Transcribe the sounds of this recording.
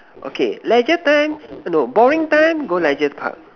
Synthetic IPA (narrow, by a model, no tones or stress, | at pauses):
ʔo̰kʰḛlɛd͡ʒətãjmnobɔɹĩŋtãjmɡolɛd͡ʒəspʰa̰k̚